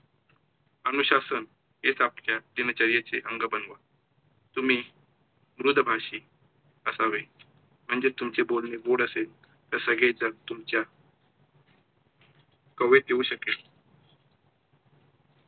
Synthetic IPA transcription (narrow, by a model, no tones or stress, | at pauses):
ənuɕasən | ɦet͡sapljad̪inat͡ɕaɾjet͡seʔəŋɡəbənʋa | t̪um̤iː | mɾud̪ʱbʱaʂiː | əsaʋe | m̤əɳd͡zet̪umt͡sebolneʋoɽəsel | t̪əɾsəɡɭed͡zəɡt̪umt͡ɕja | kəʋet̪euːɕəke